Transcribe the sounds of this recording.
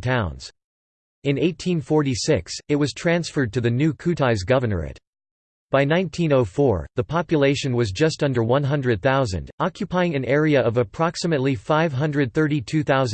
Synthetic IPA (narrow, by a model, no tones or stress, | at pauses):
tʰãʊ̃nz̥ | ɨ̃neɪtʰĩnfɔɹɾisɪksɨt̚wʌz̥tʰɹ̥æ̃nsfə˞d̚tʰɨðɨnʉkʰʉɾaɪzɡʌvə˞nə̰˞ɪ̰ɾ | b̥aɪnãɪ̃ntʰĩnoʊfɔɹðəpʰɑpjɨleɪʃɨ̃nwʌzd͡ʒʌstʌ̃ndə˞wʌ̃nɦʌ̃ndɹɨd̪̚θaʊzɨ̰̃ndɑkʰjɨpʰaɪɪ̃ŋɨ̃nɛɹiɨʔʌvɨpʰɹ̥ɑksɨmɨtˡlifaɪv̥ɦʌ̃ndɹɨd̪̚θɜ˞ɾitʰʉθaʊz